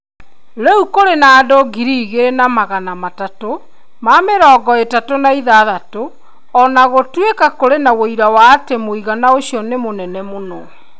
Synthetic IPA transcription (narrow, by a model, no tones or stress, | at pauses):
ɾeukoɾenaːdoɡiɾiːɣeɾenamaɣanamatato | mameɾɔːɡɔetatonaiðaðato | ɔnaɣotwekakoɾenawoiɾawaːtemoiɣanaoɕiɔnemonɛnɛmonɔ